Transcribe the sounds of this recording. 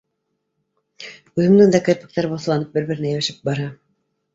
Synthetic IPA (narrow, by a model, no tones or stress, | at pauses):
ʉðɘ̆md̪ɘŋd̪ɑkæ̆ɾpɘ̥̆k̚t̪æɾboθ̆lˠɑnɤp̚bɘɾbɘ̆ɾɘ̆næjæwæʃɘp̚bɑɾɑ